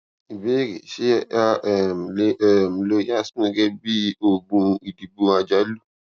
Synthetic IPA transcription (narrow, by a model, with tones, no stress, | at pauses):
i˨be˦ɡḛ˨ʃe˦a˦ʔm˨le˦˨m̩˨lo˦ja˦˨sɡe˦bi˦o˦˨bũ˧i˨di˨bu˧a˨d͡ʒa˦lu˦